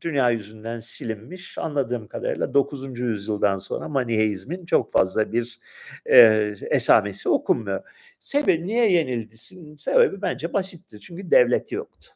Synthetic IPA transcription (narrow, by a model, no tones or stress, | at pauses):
d̪̥ynjaːjyzynd̪ænsilʲimːiʃa̰nlˠad̪ɯːmkʰad̪a̰ɾɯ̰lˠad̪o̞kʰuzund͡ʒujyzjɯlˠd̪anso̞̰nɾamaniɦejizmint͡ʃʰo̞kfa̰zlˠabiɾ | ɛsaːme̞sio̞kʰumːɯjo | sebebnijɛje̞nilʲd̪isinse̞bebibænd͡ʒɛbasɯt̪ʰːɯt͡ʃʰyɲcyd̪ɛvlʲet̪ʰijo̞̰kt̪ʰʊ̥